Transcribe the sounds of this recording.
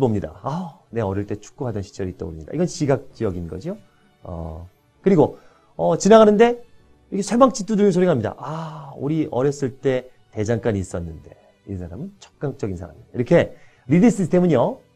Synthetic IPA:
bomɲida̰ane̞ʌɾjʌɭt͈e̞t͡ɕʰu̥k̚k͈uɦadʌnɕʰi̥t͡ɕ͈ʌɾit͈ʌbo̰ɾimɲid̥a̰iɡʌnɕiɡak̚t͡ɕ͈ʌɡinɡʌd͡ʑio | ʌ̰ | kɯɾiɡo | ʌt͡ɕinaŋɦanɯnde̞ | iɾʌkʰesʰe̞maŋt͡ɕʰit͈uduɭinsʰoɾiɡaɦamɲida̰ʔauɾiʔʌɾjʌs͈ɯɭt͈e̞ | te̞d͡ʑaŋk͈aɲiːs͈ʌnːɯnde̞ | ḭsʰaɾamɯnt͡ɕʰʌ̥k̚k͈aŋt͡ɕ͈ʌɡinsʰaɾa̰miaiɾʌkʰe̞ | ɾidis͈is̬ʰtʰe̞mɯɲjo

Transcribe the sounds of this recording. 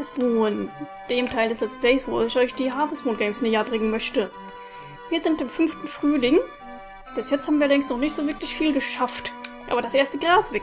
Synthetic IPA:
sb̥uːən | d̥eːmtʰaɪldəsɛsb̥lɛɪsv̥oːɪçʔɔʏçd̥iːɦaːfəsb̥oːnɡɛɪmsneːjɐbʁɪŋənmœçtə | viːɐzɪntɪmfʏnftn̩fʁ̥yːlɪŋ | b̥ɪsjɛt͡sthaːbm̩viːɐlɐlɪŋstnɔχnɪçtz̥oːvɪɐklɪçfiːlɡəʃaftʔa̰ːbɐɾdasʔeːɐstəɡʁaːsv̥ɛ

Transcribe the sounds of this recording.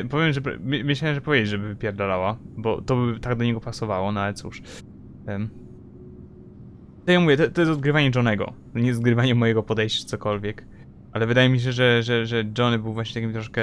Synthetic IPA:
pɔvʲjɛmʐɛpmmɨlaɛmʐɛpɔvʲjed͡ʑed͡ʑʐɛbɘpʲjɛɾd̪alawabɔ̰t̪ɔbɘt̪aɡ̚d̪ɔɲɛɡɔpasɔvawɔnɔalɛt̪sṵʂ | t̪ɔjamuvjɛt̪ɔt̪ɔjɛst̪ɔd̪̚ɡɾɘvaɲɛʐɔnɛɡɔ̰ | ɲɛszɡɾɘvaɲɛmːɔjɛɡɔpɔd̪ɛjɕt͡ɕḁt̪sɔkɔlvʲjɛk | ʔalɛvɘd̪ajɛmʲiɕ̬ɛʐɛʐɛʐɛd͡ʐɔnɘbɘwvwaɕɲɛt̪akʲimt̪ɾɔʂkɛ

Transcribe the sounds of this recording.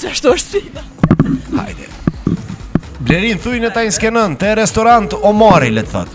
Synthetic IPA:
zaʃt̪oʃsidɐ | ha̰jd̪ɛ̰ | blɛɾinθujnət̪ainskɛnant̪ɛɾɛst̪ɔɾant̪ɔmaɾilɛt̪θa̰t̪

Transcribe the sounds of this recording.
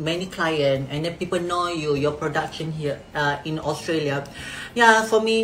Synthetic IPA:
mɛnikʰlajə̃nɛ̃ndɛ̃npipəlnojujɔpɹɔdakʃə̃nɦiəaĩnɔstɹeliajafɔmi

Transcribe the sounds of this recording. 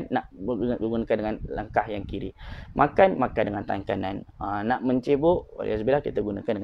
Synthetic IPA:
nːaʔəɡunakandəŋanlə̰ŋkahjaŋkiɾḭmʔakanmakandəŋant̪aŋkananənaʔmə̃ɲt͡ʃebʊʔo̰lʔɛ̰sbilahkit̪aɡunakandəŋ

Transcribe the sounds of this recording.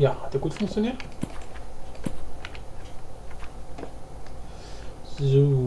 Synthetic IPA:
jaːhat̚d̥eːɐɡ̥uːtfʊŋk̚t͡sjoniːɐt | zu

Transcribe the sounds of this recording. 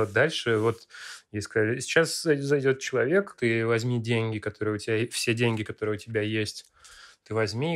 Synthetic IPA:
d̪alʲʂɨvo̞t̪jeskɐlʲɪsʲɪ̥t͡ɕaszɐjdʲo̞t̪̚t͡ɕɪlˠɐvʲe̞kt̪ɨvɐzʲmʲidʲenʲɡʲɪkɐt̪o̞ɾɨjəʊtʲɪbʲafsʲedʲenʲɡʲɪkɐt̪o̞ɾɨjəʊtʲɪbʲajesʲtʲ | t̪ɨvɐzʲmʲi

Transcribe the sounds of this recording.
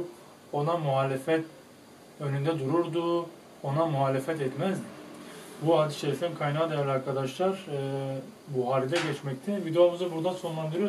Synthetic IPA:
o̞namuɦaːlʲefɛt̪ | ø̞nynd̪ɛd̪uɾuɾd̪u | o̞namuɦaːlʲefɛt̪ɛt̪mɛz | buad̪iʃeɾifinkʰajnad̪ejɛɾlʲaɾkʰad̪aʃlˠaɾɯː | buɦaɾid̪ʲɛɟɛt͡ʃmɛc̚t̪ʰɛvid̪ejo̞muzabuɾd̪anso̞nlˠand̪ɯɾyjo

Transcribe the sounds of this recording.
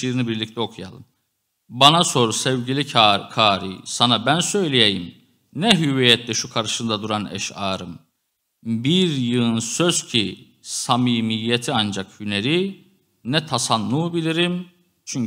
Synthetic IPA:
iɾinibiɾlʲic̚t̪ʰɛo̞kʰuja̰lˠɯ̰m | banaso̞ɾusɛvɟilʲikʰaːɾḭsanabænsø̞jlʲejejḭm | nɛɦyvijɛt̪ʰlɛʃukʰaɾɯʃɯnd̪ad̪uɾanɛ̰ʃaːɾɯm | biɾjɯlˠnsøz̥cʰi | samiːmijːet̪ʰiand͡ʒakhyneɾi | nɛt̪ʰasanːuːbilʲiɾim | t͡ʃʰyɲ

